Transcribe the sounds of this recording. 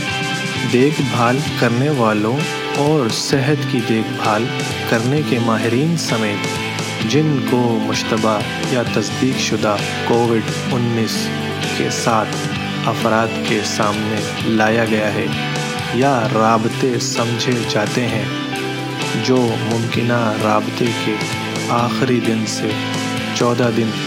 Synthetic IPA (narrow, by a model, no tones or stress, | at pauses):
d̪eːkʰbʱaːlkɐɾneʋaːlõ | ɔːɾsɛɦət̪kid̪eːkʰbʱaːl | kɐɾnekemaːɦɪɾiːnsɐmeːt̪ | d͡ʒɪnkomʊʃt̪əba | jat̪ɐsd̪iːkʃʊd̪a | koːʋɪɖ | ʊnːiːs | kḛsaːt̪ʰ | ɐfɾaːd̪kesaːmne | laːjaɡɐjaɦɛ | jaɾaːbt̪esɐ̃md͡ʒʱed͡ʒaːt̪eɦɛ̃ | d͡ʒoːmʊ̃mkɪnaɾaːbt̪eke | aːxɾid̪ɪnse | t͡ʃɔːd̪ad̪ɪn